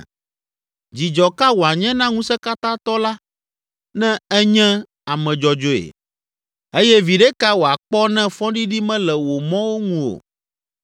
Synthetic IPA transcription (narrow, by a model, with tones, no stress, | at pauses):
d͡ʑi˨d͡ʒɔ˨ka˦wo˨a˨ɲɛ̃˦nã˦ŋũ˦sɛ˦ka˦t̪ã˦t̪ɔ˦la˦ | nɛ̃˦ɛ˦ɲɛ̃˦ | a˨mɛ̃˨d͡ʒɔ˨d͡ʒo˦ḛ˨ | e˦jɛ˦vi˨ɖɛ˦ka˦wo˨a˨k͡pɔ˦nɛ̃˦fɔ̃˦ɖi˦ɖi˦mɛ̃˦lɛ˨wo˨mɔ̃˦wo˦ŋũ˦o̰˨